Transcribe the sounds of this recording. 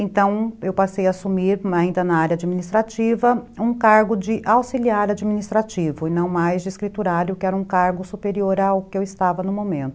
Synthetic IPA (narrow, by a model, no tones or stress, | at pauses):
ẽnt̪ɐ̃w̃ewpasejaːsumiɾaĩnd̪ɐnaaɾjɐad͡ʒiminist̪ɾat͡ʃivɐũkaɾɡʊd͡ʒɪʔawsiliaɾad͡ʒiminist̪ɾat͡ʃivʊɪnɐ̃w̃majzd͡ʒɪiskɾit̪uɾaɾjʊkɪɛɾɐũkaɾɡʊsupeɾioɾawʊkɪewɪst̪avɐnʊ̃mõmẽnt̪ʊ